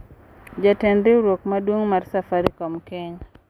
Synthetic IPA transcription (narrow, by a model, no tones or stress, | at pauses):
d͡ʒatɛndɪuɾok̚madwoŋmarsafaɾikɔmkɛɲa